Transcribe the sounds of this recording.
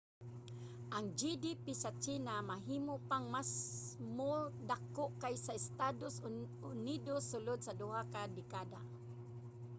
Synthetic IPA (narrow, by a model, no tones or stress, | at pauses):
ʔaŋd͡ʒidipisat͡ʃinamaɦimʊpaŋmasmodakoʔkajsaɪst̪ados | ʊnidosːʊlʊd̪̚sadʊɦakadɪkada